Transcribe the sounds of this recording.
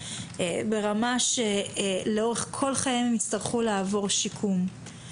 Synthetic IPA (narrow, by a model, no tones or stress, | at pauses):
be̞ʁamaʃeleo̞ʁeχkʰo̞lχajimemit͡staʁχuleavo̞ʁʃikʰum